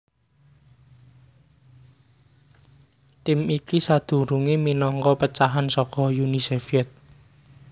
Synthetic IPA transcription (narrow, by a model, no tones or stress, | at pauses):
t̪ɪmikisad̪̥ṳɾuŋiminɔŋkɔpət͡ʃaɦansɔkɔjunisefiɛt̪̚